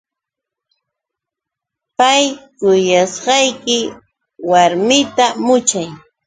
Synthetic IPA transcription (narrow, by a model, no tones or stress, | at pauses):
pajkʊjasɢɑjkɪ | waɾmɪt̪amʊt͡ʃaj